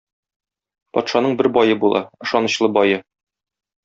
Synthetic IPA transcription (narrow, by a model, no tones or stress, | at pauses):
pɒ̰t̪ʃɑnɤɴbɘɾbɒjɤbulˠʔɑ̰ɤ̆ʃɒnɤ̆ɕlˠɤbɒjɤ